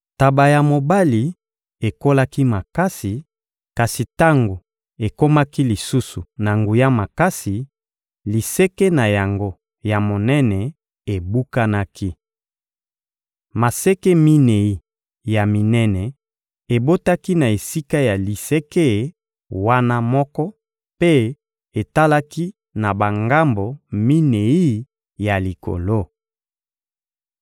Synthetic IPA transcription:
ta˨ba˨ja˨mo˨ba˦li˨ | e˨ko˦la˦ki˦ma˨ka˦si˨ | ka˨si˨ta˦ŋɡo˨ | e˨ko˦ma˦ki˦li˨su˦su˨na˨ŋɡu˨ja˦ma˨ka˦si˨ | li˨sɛ˦ke˦na˨ja˨ŋɡo˦ | ja˨mo˨nɛ˦nɛ˨ | e˨bu˦ka˦na˦ki˦ | ma˨sɛ˦ke˦mi˦ne˨i˦ | ja˨mi˨nɛ˦nɛ˨ | e˨bo˦ta˦ki˦na˨e˨si˦ka˦ja˨li˨se˦ke˦˨ | wa˦na˦mɔ˦kɔ˦ | pe˦ | e˨ta˦la˦ki˦ | na˨ba˨ŋɡa˦mbo˨mi˦ne˨i˦ | ja˨li˨ko̰˨lo˦

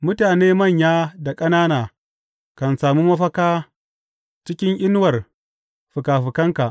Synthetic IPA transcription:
mʊ˦taː˨neː˦mɐ˦˨ɲjaː˦da˨kʼɐ˦naː˦naː˨ | kɐ˨nsaː˨muː˦mɐ˦ɸɐ˦kaː˦ | t͡ʃɪ˦kʲɪ˦ŋʔɪ˦n˦wɐ˨r | ɸʊ˨kaː˨ɸɪ˨kɐ˦ŋka˨ʔ

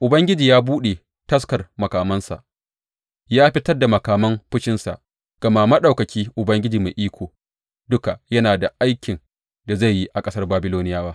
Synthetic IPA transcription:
ʔʊ˨bɐ˦ŋɡʲɪ˦d͡ʒiː˨jaː˦buː˦ɗe˨ | tɐ˦skɐ˨rmɐ˨kaː˨mɐ˦nsa̰˨ʔ | jaː˦ɸɪ˦tɐ˦rda˨mɐ˨kaː˨mɐ˦mɸʊ˦ʃɪ˦nsa̰˨ʔ | ɡ̥ɐ˨maː˦mɐ˦ɗa˨wkɐ˨kʲiː˦ʔʊ˨bɐ˦ŋɡʲɪ˦d͡ʒiː˨me˨ʔiː˦kʷoː˨ | dʊ˦ka˨jɐ˦naː˨da˨ʔa˦jkʲɪ˨n | da˨za˦˨jːi˦ʔa˨kʼɐ˦sɐ˦rbaː˦bɪ˦loː˦nɪ˦jaː˦baː˦

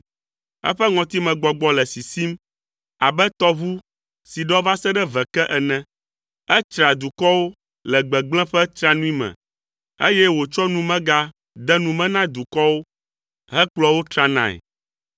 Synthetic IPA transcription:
ɛ̰˦ɸɛ˦ŋɔ̃˨t̪i˦mɛ̃˨ɡ͡bɔ˨ɡ͡bɔ˦lɛ˨si˨si˦m | a˨bɛ˦t̪ɔ˦vu˦ | si˨ɖɔ˦va˦sɛ˦ɖɛ˦vɛ˨kɛ˦ʔɛ˨nɛ̃˦ | ɛ˦t͡ʃɾa˨d̪u˨kɔ˦wo˦ | lɛ˨ɡ͡bɛ˨ɡ͡blɛ̃˦ɸɛ˦t̪ɾa˦nũ˦i˦mɛ̰̃˨ | ḛ˦jɛ˦wo˨t͡ʃɔ˦nũ˦mɛ̃˦ɡa˦ | d̪ɛ˦nũ˨mɛ̃˦nã˦d̪u˨kɔ˦wo˦ | ɦɛ˦k͡plɔ˦wo˦t̪ɾa˦nã̰˦˨ɛ̰˨

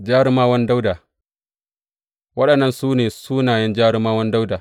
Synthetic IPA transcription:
d͡ʒaː˦ɾɪ˦maː˦wɐ˦nda˦wdaː˨ | wɐ˦ɗɐ˨nːɐ˦nsuː˦neː˨suː˦naː˨jɛ˦nd͡ʒaː˦ɾɪ˦maː˦wɐ˦nda˦wdaː˨

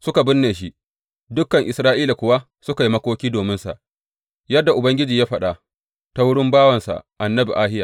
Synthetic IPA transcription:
sʊ˦ka˨bɪ˦nːeː˨ʃ̬i˦ | dʊ˦kːɐ˨ŋʔɪ˨sɾaː˦ʔiː˦la˨kʷʊ˨wa˦ | sʊ˦ka˨ji˦mɐ˦kʷoː˦kʲiː˦doː˨mɪ˦nsa̰˨ʔ | jɐ˦dːa˨ʔʊ˨bɐ˦ŋɡʲɪ˦d͡ʒiː˨jaː˦ɸɐ˨ɗa˨ | ta˦wʊ˦ɽɪ˦mbaː˦wɐ˨nsa̰˨ʔʔa˨nːɐ˦bḭ˨ʔaː˦hɪ˦ja˨

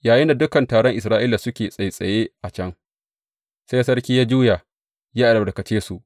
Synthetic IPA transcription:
jaː˨jɪ˦nda˨dʊ˦kɐ˨ntaː˨ɽɔ˦ŋʔɪ˨s̬ɾaː˦ʔiː˦la˨sʊ˦kʲeː˨sʼɐ˨jsʼɐ˨je˦ʔa˨t͡ʃɐ˦ŋ | sa˦jsɐ˦rkʲiː˦jaː˦d͡ʒuː˦ja˨ | jaː˦ʔa˨ɾɐ˨bɐ˨ɽkɐ˨t͡ʃeː˦su˨ʔ

